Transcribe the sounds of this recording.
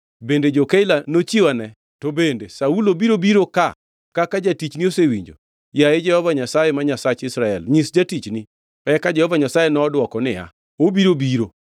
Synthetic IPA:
bended͡ʒokeɪlanot͡ʃiwanɛ | tobendesaulobiɾobiɾoka | kakad͡ʒatit͡ʃniosewiɲd͡ʒo̰ | jaed͡ʒɛhɔvaɲasajemaɲasat͡ʃɪsɾaɛlɲisd͡ʒatit͡ʃni | ɛkad͡ʒɛhɔvaɲasajenɔːdwɔkɔnɪja̰ | obiɾobiɾo

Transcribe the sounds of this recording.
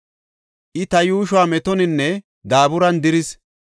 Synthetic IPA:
ʔɪt̪ɐjuːʃ̬ʊaːmɛt̪ɔnɪnːɛ | d̪aːbʊɾɐnd̪ɪɾɪs

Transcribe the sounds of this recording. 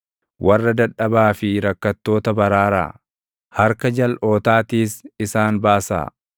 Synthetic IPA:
wʔɐrːɐd̪ɐᶑɐbaːfɪɾɐkːɐt̪ːo̞ːt̪ɐbɐɾaːɾa̰ː | hɐɾkɐd͡ʒɐlʔo̞ːt̪aːt̪iːsɪsaːnbaːsa̰ː

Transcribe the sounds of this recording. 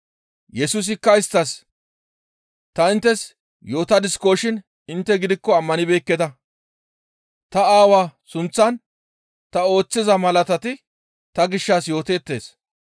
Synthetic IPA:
jɛsus̬ɪkːɐɪst̪ːɐs | t̪ɐɪnt̪ːɛs | jo̞ːt̪ɐd̪ɪsko̞ːʃɪn | ɪnt̪ːɛɡɪd̪ɪkːɔɐmːɐnɪbeːkːɛt̪ɐ | t̪ɐaːwaːsʊnt͡sːɐn | t̪ɐo̞ːt͡sːɪzɐmɐlɐt̪ɐt̪ɪ | t̪ɐɡɪʃːaːsjo̞ːt̪eːt̪ːe̞̰ːs

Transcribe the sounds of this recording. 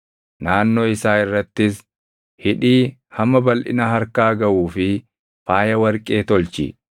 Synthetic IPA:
naːnːoːɪsaːɪrːɐt̪ːɪs | hɪᶑiːhɐmːɐbɐlʔɪ̰nɐhɐɾkaːɡɐʔuːfɪ | faːjɐwɐɾkʼe̞ːt̪ɔlt͡ʃɪ̰

